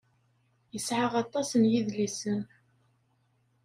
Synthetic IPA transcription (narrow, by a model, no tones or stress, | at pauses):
jəsʕəʁɑt̪ˤːɑsənjiðlisən